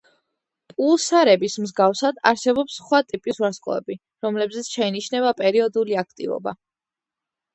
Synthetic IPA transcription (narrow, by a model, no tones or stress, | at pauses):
pʼulˠsaɾɛbismzɡafsad̪a̰ɾsɛbɔpsχwat̪ʼipʼisuɾaskʼɔ̰ɛ̰bi | ɾɔmlɛbzɛt̪sʰʃɛiniʃnɛbapʼɛɾiɔd̪uliak̚ʰt̪ʼḭvɔ̰ba̰